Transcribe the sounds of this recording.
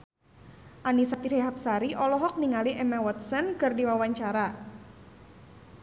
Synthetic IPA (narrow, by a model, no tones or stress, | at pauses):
ʔanisat̪iɾeɦap̚saɾiʔɔlɔɦɔk̚niŋaliʔɛmawɔt̪̚sənkɨrdiwawaɲt͡ʃaɾa